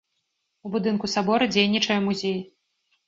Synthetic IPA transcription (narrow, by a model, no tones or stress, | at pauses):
ubud̪ɨnkusabɔɾɐd͡zʲejnʲit͡ʂɐjɐmuzʲej